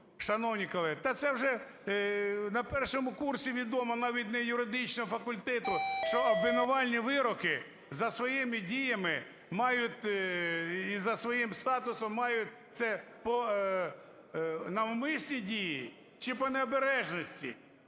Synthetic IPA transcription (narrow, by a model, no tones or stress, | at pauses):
ʃɐnɔwnʲikɐlˠɛt̪ɐt̪sɛwʒɛ | nɐpɛrʃɔmʊkursʲiʋʲid̪ɔmɔnɑʋʲit̪ʲnɐjʊɾɪd̪ɪt͡ʃnɔɦɔfɐkʊlʲt̪ɛt̪ʊʃt͡ʃɔɐbʋʲɪnɔʋɑlʲnʲiʋɪɾɔkɪ | zɐsʋɔjɪmɪdʲijɐmɪ | mɑjʊtʲ | izɐsʋɔjimst̪ɑt̪ʊsɔmːɑjʊt̚ʲt̪sɛ | pɔ | nɐwmɪsʲnʲidʲiji | t͡ʃɪpɔneɔbeɾɛʒnɔsʲtʲḭ